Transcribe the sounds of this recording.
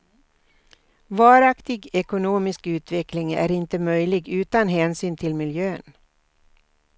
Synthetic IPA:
vɑːɾakt̪ɪɡɛkʊnuːmɪskʉ̟ːt̪vɛklɪŋæ̰ɾɪnt̪əmœjlɪɡʉ̟ːt̪anɦɛːnsyːnt̪ʰɪlmɪljøːn

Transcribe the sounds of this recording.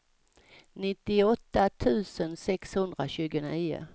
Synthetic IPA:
nɪt̪ːɪɔt̪ːat̪ʰʉ̟ːsənsɛkshɵnd̪ɾaɕʉ̟ːɡəniːʊ̰

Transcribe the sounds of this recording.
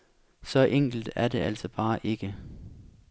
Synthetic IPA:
sɒ̽ʔeŋ̰ɡ̥l̩d̥æɐd̥e̝ʔæl̰sɒ̽b̥ɑ̈ːʔe̝ɡ̥ə

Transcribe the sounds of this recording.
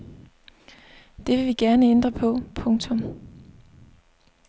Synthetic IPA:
d̥e̝ʋe̝ʋiɡ̥æɐnəend̥ʁɐpʰɒ̽pʰɔ̽ŋt͡sʰɔ̽m

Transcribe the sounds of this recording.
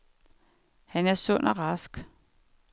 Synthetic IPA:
hænæɐsɔ̽n̰ʔɒʁɑsɡ̥

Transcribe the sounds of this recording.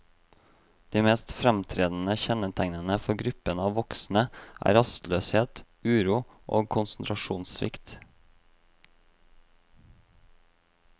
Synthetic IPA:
d̪̥iːmeːst̪fɾɛmt̪ʰɾeːd̪n̩əçɛnət̪ʰæŋnənəfɔɡɾʉpənɑːʋʋɔksn̩əʔæ̰ːɾɑst̪løːsheːt̪ | ʉːɾuːʔo̰ːɡ̚kʰʊnsn̩t̪ʰɾɑʃuːnsʋɪ̰kt̪

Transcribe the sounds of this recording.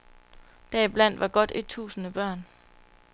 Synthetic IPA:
d̥æib̥læn̰d̥ʋʔɑ̈ɡ̥ɒ̽d̥e̝d̥̚t͡sʰṵːsənəb̥ɶɐ̰n

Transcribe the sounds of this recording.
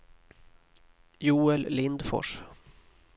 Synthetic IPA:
juːɛllɪnd̪fɔ̰ʂ

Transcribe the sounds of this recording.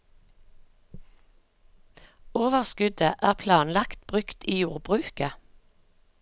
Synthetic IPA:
oːʋəʁskʉd̪əʔæːʁpʰlɑːnlɑkt̪bʁʉkt̪iːjuːʁbʁʉːkə

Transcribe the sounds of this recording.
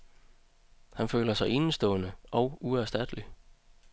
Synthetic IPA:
hænfø̰ːlɐsɑ̈ɪe̝n̩sd̥ɔ̰̽ːnəʔɒ̽ʊuæɐsd̥æd̥əli

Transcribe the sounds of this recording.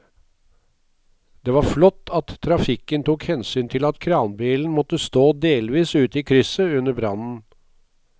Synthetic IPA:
d̪̥eːʋɑːɾflɔt̪ːɑt̪ʰːɾɑfɪkənt̪ʰuːkhɛnsyːnt̪ʰɪlɑt̪kʰɾɑːnbiːln̩mɔt̪əst̪oːd̪eːlʋiːsʉːt̪iːkʰɾʏsəʉnəbɾɑnn̩

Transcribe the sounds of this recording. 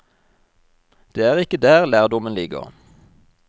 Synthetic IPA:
d̪̥eːæːʁɪkəd̪æːʁlæːʁd̪ɔmənlɪɡə̰ʁ

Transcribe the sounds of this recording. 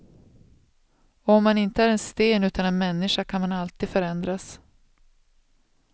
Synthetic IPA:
ɔɔmːanɪnt̪əæːɾɛnst̪eːnʉ̟ːt̪anɛnmɛnːɪʂakʰanmanalt̪iːd̪fœɾɛnd̪ɾas

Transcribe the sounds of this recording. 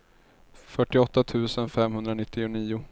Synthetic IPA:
fœʈːɪɔt̪ːat̪ʰʉ̟ːsənfɛmɦɵnd̪ɾanɪt̪ːɪʊniːʊ

